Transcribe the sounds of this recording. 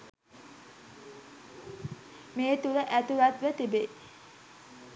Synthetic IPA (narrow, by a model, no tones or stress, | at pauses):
meːt̪uləʔæt̪uʋat̪ʋət̪ibe